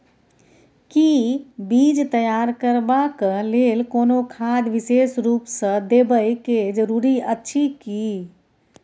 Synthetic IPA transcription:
kibiːd͡ʒt̪əjaɾkəɾbakəlelkoːnokʰad̪ʋisesɾuːpsə̃d̪ebəjked͡ʒəɾuɾiətːʃʰiki

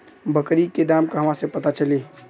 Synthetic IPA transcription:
bəkɾiked̪amkaɦəmasepət̪at͡ʃəli

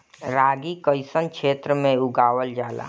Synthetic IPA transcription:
ɾaːɡikəɪsənkʃʰeːt̪ɾəmẽʊɡaːwəld͡ʒaːla̰ː

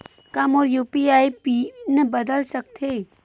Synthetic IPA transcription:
kɐmɔːɾjupiaːipinəbɐd̪əlsɐk̚t̪ʰe

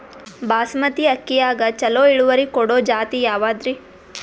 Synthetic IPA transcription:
baːsmɐt̪iɐkːijaːɡɐt͡ʃɐloːiɭuʋɐɾikɔɽoːd͡ʒaːt̪ijaːʋaːd̪ɾi

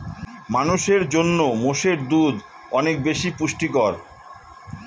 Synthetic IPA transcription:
manuʃeɾd͡ʑonːomoʃeɾd̪ud̪ | ɔnek̚beʃipuʃʈikɔɾ

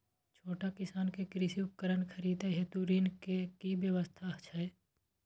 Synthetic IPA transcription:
t͡ʃʰoːʈakɪsaːnkekɾɪsiʊp̚kəɾənkʰəɾiːd̪eɦet̪uɾiːnkekibjəʋəst̪ʰat͡ʃʰɛ

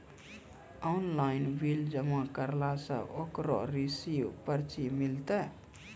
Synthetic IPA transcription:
ɔnlaɪnbild͡ʒəmãkəɾlasə̰̃ʔokɾo̰ɾisiwpəɾt͡ʃimilt̪ɛ

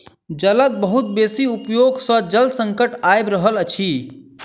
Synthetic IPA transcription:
d͡ʒələɡ̚bəɦut̪̚besiupjoɡsə̃d͡ʒəlsəŋkəʈaebɾəɦələt͡ʃʰi

